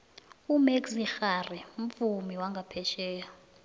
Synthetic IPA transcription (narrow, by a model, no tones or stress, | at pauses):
umeksixariɱ̩fumiwaŋɡʱapʰɛʃɛːja